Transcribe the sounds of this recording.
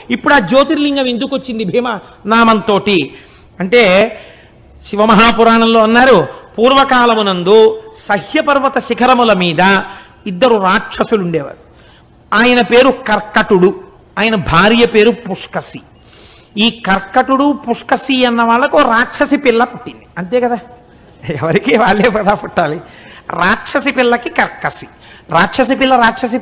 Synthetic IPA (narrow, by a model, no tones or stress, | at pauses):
ipːuɽaːd͡ʒo̞ːt̪iɾliŋɡɐmend̪ukot͡ʃːind̪ibʱiːmɐ | naːmɐnt̪o̞ːʈi | ɐɳʈe̞ː | ʃiʋɐmɐɦaːpuɾaːɳɐmlo̞ːɐnːaːɾupuːɾʋɐkaːlɐmunɐnd̪usɐɦjɐpɐɾʋɐt̪ɐʃikʰɐɾɐmulɐmiːd̪ɐ | id̪ːɐɾuɾaːʈʂɐsuluɳɖɛːʋa̰ːɾu | aːjɐnɐpe̞ːɾukɐɾkːɐʈuɽu | aːjɐnɐbʱaːɾjɐpe̞ːɾupuʂkɐsi | iːkɐɾkːɐʈuɽupuʂkɐsiɐnːɐʋaːɭːɐkoːɾaːtʂɐsipilːɐpuʈːind̪iɐnt̪e̞ːkɐd̪aː | ɛʋɐɾikiːʋaːɭːeːpɐd̪aːpuʈːaːliɾaːʈʂɐsipilːɐkikɐɾkːɐsi̥ | ɾaːt͡ʃɐs̬ipilːɐɾaːt͡ʃʰɐs̬i